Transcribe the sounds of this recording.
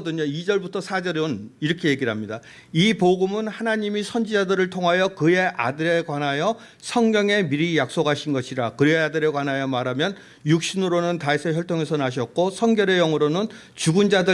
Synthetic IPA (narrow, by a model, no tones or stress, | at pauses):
dɯɲoid͡ʑʌɭbutʰʌsʰad͡ʑʌɾɯniɾʌkʰe̞je̞ɡiɭɦamɲida | ipoɡɯmɯnhanaɲimisʰʌnd͡ʑid͡ʑadɯɾɯɭtʰoŋɦajʌkɯe̞ʔa̰dɯɾe̞kwanɦajʌ | sʰʌŋɡjʌŋe̞miɾijak̚s͈oɡɦaɕʰinɡʌɕʰiɾakɯɾeadɯɾe̞ɡwanɦajʌmaɾɦamjʌn | juk̚ɕ͈inɯɾonɯntaisʰeçjʌɭtʰoŋe̞sʰʌnaɕ̬ʰʌt̚k͈osʰʌŋɡjʌɾe̞jʌŋɯɾonɯn | t͡ɕuɡund͡ʑadɯ